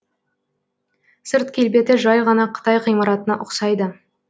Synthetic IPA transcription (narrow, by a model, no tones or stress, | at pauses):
səɾt̪̚kʲʰe̞lbe̞t̪ɪʒɑjʁɑnɑqʰə̥t̪ɑjqʰijmɑɾɑt̪ənɑʔʊqsɑjd̪ə